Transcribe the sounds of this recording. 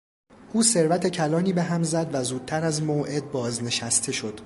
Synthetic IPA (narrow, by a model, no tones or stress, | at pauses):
ʔuːse̞ɾvæt̪ʰe̞cʰælɒːniːbe̞ɦæmzæd̪væzuːd̪̥̚t̪ʰæɾæzmoːʔe̞d̪̚bɒːzne̞ʃæst̪ʰe̞ʃo̞d̪̥